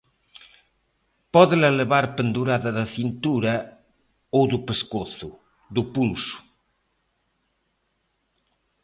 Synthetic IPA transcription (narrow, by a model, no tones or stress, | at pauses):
pɔðelaleβaɾpend̪uɾaðaðaθint̪uɾa | owðupeskoθu | ðupulsu̥